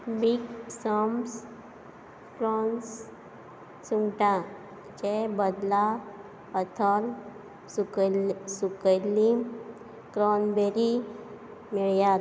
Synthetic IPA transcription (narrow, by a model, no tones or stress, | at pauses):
biɡsəms | kɾɔns | suŋɡʈã | t͡ɕebəd̪la | pət̪ʰəl | suksukəli | kɾɔnbeɾi | miɭjat̪